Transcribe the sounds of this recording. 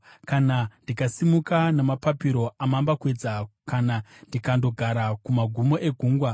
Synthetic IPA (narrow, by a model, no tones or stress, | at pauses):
kanandikasimukanamapapiɾo̞amambakwe̞d͡zakanandikando̞ɡʱaɾakumaɡʱumo̞ʔe̞ɡʱuːŋɡwa